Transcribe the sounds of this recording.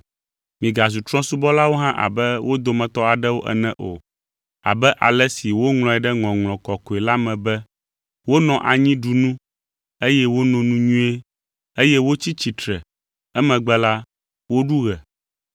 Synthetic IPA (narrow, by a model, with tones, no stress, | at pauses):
mĩ˨ɡa˨zu˨t̪ɾɔ̃˦su˦bɔ˦la˦wo˦ɦã˦ʔa̰˨bɛ˦wʔo˦d̪o˨mɛ̃˨t̪ɔ˦a˨ɖɛ˦wo˦ʔɛ̰˦nɛ̃˦ʔo˨ | a̰˨bɛ˦ʔa̰˨lɛ˦si˨wo˦ŋl̃ɔ̃˨ɛ˨ɖɛ˦ŋɔ̃˨ŋlɔ̃˨kɔ˨kɔ˨ɛ˨la˦mɛ̃˨bɛ˦ | wo˦nɔ̃˨ʔa˨ɲĩ˦ɖu˨nũ˦ | e˦jɛ˦wo˦nɔ̃˨nũ˦ɲũ˦e˦ | e˦jɛ˦wo˦t͡ɕi˦t͡ɕi˨t̪ɾɛ˨ | ɛ˦mɛ̃˨ɡ͡bɛ˦la˦ | wo˦ɖu˦ɣɛ˨